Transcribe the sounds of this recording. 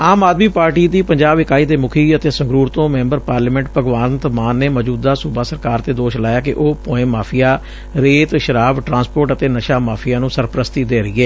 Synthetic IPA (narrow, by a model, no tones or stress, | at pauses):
aːmaːd̪miːpaːɾʈiːd̪iːpəɲd͡ʒaːbɪkaːiːd̪eːmʊkʰiːət̪eːsəŋɡɾuːɾt̪õːmɛ̃ːmbəɾpaːɾləmɛ̃ɳʈpəɡʋaːnt̪maːnːeːməːd͡ʒuːd̪aːsubaːsəɾkaːɾt̪eːd̪oːʃlaːjaːkɪʔoːpõːẽːmaːpʰɪjaː | ɾeːt̪ʃəɾaːbʈɾãːspoːɾʈət̪eːnəʃaːmaːpʰɪjaːnũːsəɾpɾəst̪iːd̪eːɾəiːɛː